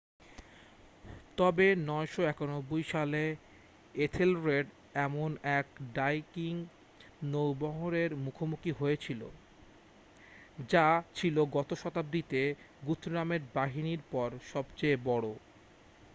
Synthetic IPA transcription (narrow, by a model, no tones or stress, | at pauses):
t̪ɔbenɔeʃoɛkanobːojʃale | et̪ʰelɾeɖ | ɛmonɛkɖajkiŋ | nowbɔɦoɾeɾmukʰomukiɦojet͡ɕʰilo̰ | d͡ʑat͡ɕʰiloɡɔt̪oʃɔt̪ab̚d̪it̪e | ɡut̪ʰːɾameɾbaɦiniɾpɔɾʃɔbt͡ɕejbɔɽo